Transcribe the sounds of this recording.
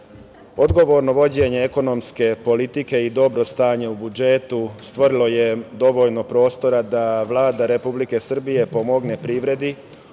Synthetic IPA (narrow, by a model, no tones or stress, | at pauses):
o̞d̪ɡo̞ʋo̞ːɾno̞ʋo̞d͡ʑe̞ːɲe̞eko̞no̞mske̞po̞lit̪ike̞id̪o̞bɾo̞st̪aːɲe̞ubud͡ʒe̞t̪ust̪ʋo̞ɾilo̞je̞d̪o̞ʋo̞ʎno̞pɾo̞ːst̪o̞ɾad̪aʋlˠaːd̪aɾe̞publike̞sr̩bije̞po̞mo̞ɡne̞pɾiʋɾe̞d̪i